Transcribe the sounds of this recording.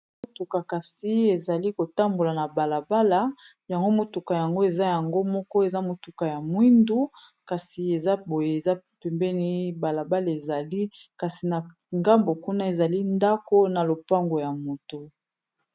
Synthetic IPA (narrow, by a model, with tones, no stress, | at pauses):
mo˨tu˨ka˨ka˨si˦e˨za˨li˦ko˨ta˦mbo˨la˨na˨ba˨la˨ba˦la˨ | ja˨ŋɡo˦mo˨tu˨ka˨ja˨ŋɡo˦e˨za˦ja˨ŋɡo˦mɔ˦kɔ˦e˨za˦mo˨tu˨ka˨ja˨mwi˦ndu˦ | ka˨si˨e˨za˦bo˨je˨e˨za˦ | pɛ˨mbɛ˦ni˦ba˨la˨ba˦la˨e˨za˨li˦ka˨si˨na˨ | ŋɡa˦mbo˨ku˦na˦e˨za˨li˦nda˦ko˦na˨lo˨pa˦ŋɡo˨ja˨mo˨tu˨